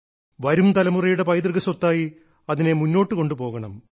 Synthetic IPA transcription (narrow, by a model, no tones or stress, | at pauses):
ʋɐɾumt̪ɐlɐmurɐjuɽe̞pɐjt̪̬rɣɐsot̪ːaːji | ɐðine̞munːo̞ːʈːɨko̞ɳɖupo̞ːɣɐɳɐm